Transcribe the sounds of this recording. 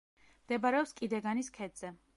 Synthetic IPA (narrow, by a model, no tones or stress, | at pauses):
md̪̥ɛbaɾɛɔpskʼid̪ɛɡaniskʰɛd̪z̥ɛ